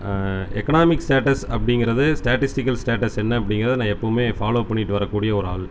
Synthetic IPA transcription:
ɛ̰kːɐnaːmɪksʈaːʈɐsɐpːɐɽɪŋɡɪɾɐðɯsʈaːʈɪsʈɪkːɐlsʈeːʈɐsɛnːɐɐpːɐɽɪŋɡɪɾɐðɯnãːɛpːɐɯmeːfaːloːpɐɳːɪʈːɯʋɐɾɐkːuːɽɪjɐɔɾɯaːl

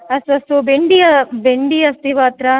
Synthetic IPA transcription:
ɐsʋɐst̪ubeɳɖijɐbeɳɖijɐst̪iʋaːt̪ɾɐ

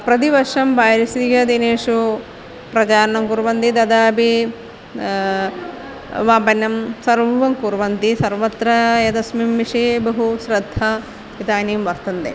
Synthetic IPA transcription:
pɾɐt̪̬iʋɐɾʂɐmbaːjɾisiɡɐd̪ineːʂu | pɾɐd͡ʒaːɾnɐmkuɾʋɐnt̪id̪ɐd̪aːbi | ʋaːpɐnːɐmsɐɾbʱuʋɐŋkuɾʋɐnt̪isɐɾʋɐt̪ɾɐjɐd̪ɐsmimʋiʂebɐɦusɾɐd̪ʱːɐ | it̪aːniːmʋɐɾt̪ɐnd̪ḛː

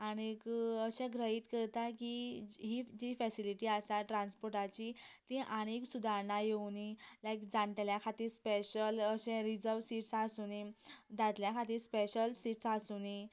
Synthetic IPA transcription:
aɽ̃ekəɕɛ̃ɡɾəɦiːt̪kəɾt̪akiɦid͡ʑifɛsiliʈiasaʈɾãnspoɾʈat͡ɕit̪ĩʔaɽ̃eksud̪ʱaɾɳajewnilajkd͡zãɳʈ̪ljakʰat̪iːɾspeɕələɕɛ̃ɾid͡zəɾʋsiʈsasunid͡z̪at̪ljakʰat̪iːɾspeɕəlsiʈsasuni

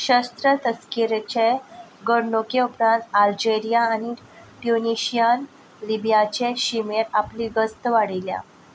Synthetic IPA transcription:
ɕəst̪ɾət̪əskiɾet͡ɕe | ɡəɾɳokeupɾãnt̪ald͡ʑeɾijaːñi | ʈuniɕijan | libijat͡ɕeɕimeɾapliɡəst̪əʋaɽilja̰

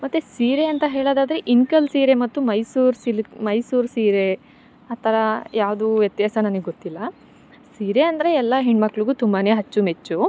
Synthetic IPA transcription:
mɐt̪ːesiːɾeɐnt̪ɐɦe̞ːɭoːd̪aːd̪ɐɾeʔiŋkɐlsiːɾe̞mɐt̪ːumɐjsuːɾsilmɐjsuːɾsiːɾe | aːt̪ʰɐɾɐjaːʋd̪uʋjɐt̪jaːsɐnɐnɐɡeɡot̪ːilːɐ | siːɾeɐnd̪ɐɾeɛlːɐɦiɳɖmɐkːɭuɡut̪umbane̞ːɦɐt͡ʃːumet͡ʃːu

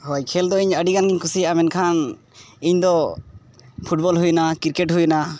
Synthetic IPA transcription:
hɔjkʰɛld̪ɔiɲəɖiɡanɡiɲkusijaʔamɛnkʰan | iɲd̪ɔ | pʰuʈ̚bɔlɦujnakiɾkɛʈɦujna

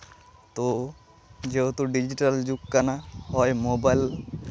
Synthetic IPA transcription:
t̪o | d͡ʒeot̪uɖid͡ʒiʈald͡ʒukkanahɔjmobajl

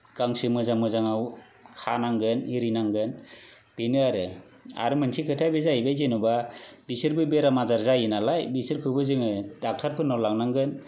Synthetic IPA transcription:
ɡ̥aŋsɯmɯzaŋmɯzaŋaw | kʰanaŋɡɯniɾinaŋɡɯn | b̥enɯaɾɯ | a̰ɾɯmɯnsʰikʰɯtʰajbezajbajzenubabisɯɾbɯbeɾamazaɾzajɯnalajbisɯɾkʰɯbɯzɯŋɯdak̚tʰaɾpʰɯnːɔlaŋnaŋɡɯn

